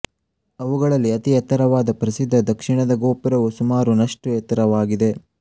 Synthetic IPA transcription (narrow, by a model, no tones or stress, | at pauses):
ɐʋuɡɐɭɐlːiɐt̪iɐt̪ːɐɾɐʋaːd̪ɐpɾɐsid̪ʱːɐd̪ɐkʂiɳɐd̪ɐɡo̞ːpiɾɐʋusumaːɾunɐʂʈujɛt̪ːɐɾɐʋaːɡid̪e̞